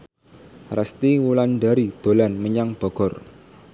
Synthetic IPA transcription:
rast̪iwulanɖaɾid̪̥o̤lanməɲaŋb̥ɔ̤ɡ̥ɔ̤r

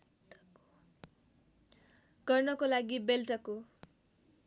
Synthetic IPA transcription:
ɡ̥ʌrnʌkolaɡibelʈʌko

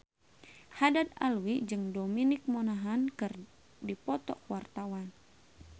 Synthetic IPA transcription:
hadat̪̚a̰lwid͡ʒɨŋdominik̚monaɦankɨr | dipɔt̪ɔ̰kwart̪awan

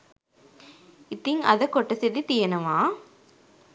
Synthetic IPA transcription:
ɪt̪ːɪŋɐ̰ðɐkɔʈːɐsɛðit̪ijɐnɐmaː

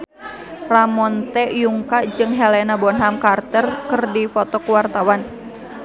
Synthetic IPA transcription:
ramɔnt̪ɛjuŋkad͡ʒɨŋɦɛlɛnabɔnɦamkart̪ərkɨrdifɔt̪ɔkuwart̪awan

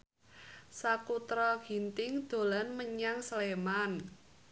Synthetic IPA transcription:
sakut̪ɾɔɡ̥i̤nt̪ɪŋd̪̥o̤lanməɲaŋsleman

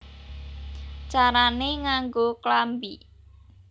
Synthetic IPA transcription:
t͡ʃaɾaneŋaŋɡoklambi

